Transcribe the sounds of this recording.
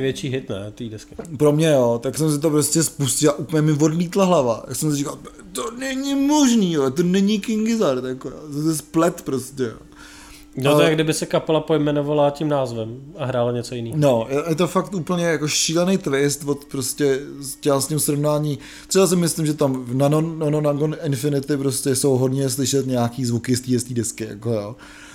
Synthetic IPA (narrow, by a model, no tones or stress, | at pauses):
vjɛt͡ʃiːɦɪt̪nɛ̰t̪iːdɛskɪpɾo̞mɲɛjoːt̪aksɛms̬ɪt̪̬opɾoscɛspuscɪlaʔuːpl̩ɲɛmɪvo̞dliːt̪laɦlava̰ja̰ksɛmsɪrikal | t̪onɛɲɪmoʒniːjot̪̬onɛɲɪkɪŋɡɪzaɾt̪jakoɾa̰ːt̪ɛsplɛt̪pɾoscɛ̰ | not̪ojaɡdɪbɪsɛkapɛlapojmɛnovalacimnaːzvɛmʔaɦɾaːlaɲɛt͡sojɪniːno̞jɛjɛt̪̬o̞fakt̪ʔuːpl̩ɲɛjako̞ʃiːlɛnejt̪ɾɪst̪vot̪pɾoscɛst͡ʃɛasɲimsɾovnaːɲiː | t̪rɛbas̬ɪmɪslimʒɛt̪amnanonononaŋɡonɪnfɪnɪt̪ɪpɾoscɛso̞wɦo̞dɲɛslɪʃɛt̪ɲaakiːzvukɪst̪iːjɛst̪iːdɛskɪja̰kojoː